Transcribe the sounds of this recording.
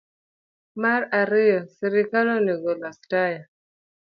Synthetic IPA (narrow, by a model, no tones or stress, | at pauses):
maɾaɾijɔsiɾikalɔniɡɔlastaja